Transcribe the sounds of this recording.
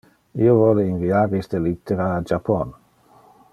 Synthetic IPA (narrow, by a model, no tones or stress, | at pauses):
iovɔleinviaːɾist̪elit̪ʰːeɾaːd͡ʒapːɔn